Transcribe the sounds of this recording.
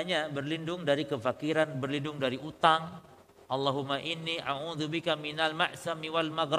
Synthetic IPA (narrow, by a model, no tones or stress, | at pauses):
ɲabərlindʊŋdaɾikəfakiɾanbərlindʊŋdaɾiʔut̪aŋ | ʔalːaɦumːaʔinːiʔaʕuðubikaminalma̰ʔsamiwalmaɡɾ